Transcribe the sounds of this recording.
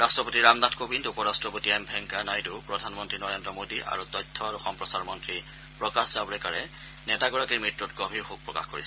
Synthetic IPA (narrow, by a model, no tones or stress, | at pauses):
ɹastɹɔpotiɹamnatʰkobindupɔɹastɹɔpotiambʱɛŋkanajtupɹɔdʱanmɔntɹinɔɹendɹɔmodiʔa̰ɹutɔjtʰːɔaɹuxɔmpɹɔsaɹmɔntɹi | pɹɔkaszabɔɹɛkaɹɛ | nɛtaɡɔɹakimɹitɹutɡɔbʱiɹxuk̚pɹɔka̰xkoɹis